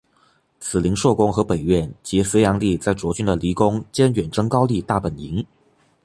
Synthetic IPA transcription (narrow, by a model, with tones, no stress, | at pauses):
t͡sʰɹ̩˨˩li˧˥ŋʂwɔ˥˩kʊ˥ŋxɤ˧˥pe˨˩ɪɥɛ˥˩nt͡ɕi˧˥se˧˥jɑ˧˥ŋli˥˧t͡sa˥˩ɪt͡swɔ˧˥t͡ɕy˥nd̪ə˨li˧˥kʊ˥ŋt͡ɕjɛ˥nɥɛ˨˩nʈ͡ʂɤ˥ŋkɑ˥ʊli˥˧t̪a˥˩pə˨˩ni˧˥ŋ